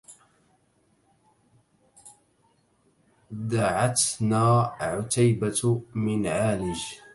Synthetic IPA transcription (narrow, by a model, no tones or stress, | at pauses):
d̪aʕat̪naːʕʊt̪ajbamɪnʕaːlɪd͡ʒ